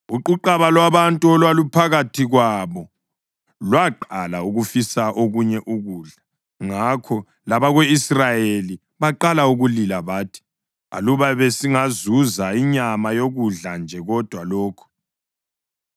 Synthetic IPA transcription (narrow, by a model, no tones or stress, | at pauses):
uǃuǃaβalwaβantʼuɔlwalupʰaɣatʰiɣwaβɔ | lwaǃalauɣufisaʔoɣuɲɛʔuɣuːɮa | ŋakʰɔ | laβaɣweisrajeli | βaǃalauɣulilaβaːtʰi̥ | a̰luβaβesiŋazuzaiɲamajoɣuɮand͡ʒʱɛɣɔd̥ʱwalɔːkʰɔ̥